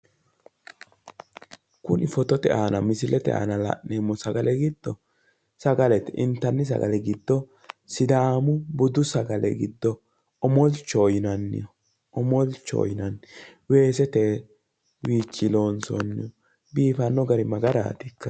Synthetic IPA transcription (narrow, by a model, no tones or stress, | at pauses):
kʊnɪfɔt̪ɔt̪ɛ̰ʔaːnɐmɪsɪlɛt̪ɛ̰a̰ːnɐlɐ̰ʔeːmːɔsɐɡɐlɛɡɪd̪ːɔ | sɐɡɐlɛt̪ɪnt̪ːɐnːɪs̬ɐ̰ɡɐ̰lɛɡɪd̪ːɔ | sɪd̪aːmʊbʊd̪ʊsɐɡɐlʔɛ̰ɡɪd̪ːɔ | ɔmɔlt͡ʃːɔjɪnɐnːɪ̰jɔ | ɔmɔlt͡ʃːɔ̰ːjɪnɐnːɪwe̞ːs̬ɛt̪e | wiːt͡ʃːɪlo̞ːnso̰nːɪ̰jɔ | biːfɐnːɔɡɐɾɪmɐɡɐɾa̰ːt̪ɪkːɐ̥